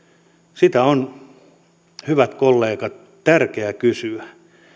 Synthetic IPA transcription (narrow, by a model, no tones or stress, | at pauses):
sit̪æon | hyʋæt̪kolːeːkɑt̪ | t̪ærkeækysyæ